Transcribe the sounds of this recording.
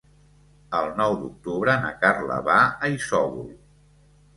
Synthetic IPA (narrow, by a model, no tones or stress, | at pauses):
əlˠnɔwd̪uk̚t̪uβɾəna̰karlə̰βaəisɔβṵlˠ